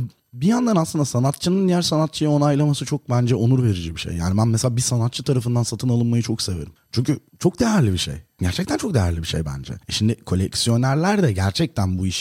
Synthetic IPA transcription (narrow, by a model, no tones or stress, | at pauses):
bijand̪anaslˠɯnd̪asanat̪t͡ʃʰɯnɯnd̪ijæɾsanat̪̚t͡ʃʰɯjao̞najlˠamasɯt͡ʃʰo̞k̚bænd͡ʒɛonuɾve̞ɾid͡ʒɛbiʃḛjːa̰ːnibænmeselʲaːbisanat̪t͡ʃʰɯt̪ʰaɾafɯnd̪ansat̪ʰɯnalˠɯnmajɯt͡ʃʰo̞kse̞ve̞ɾimt͡ʃʰyɲcʰy | t͡ʃʰo̞k̚d̪e̞jæɾlʲibiʃe̞̰jɟæɾt͡ʃʰɛc̚t̪ʰænt͡ʃʰokd̪ejæɾlʲibiʃḛjbæ̰nd͡ʒɛ̰ɛʃimd̪ɪkʰo̞lʲɛcsijo̞næɾlʲæɾd̪ɛɟæɾt͡ʃʰɛc̚t̪ʰænbuiʃ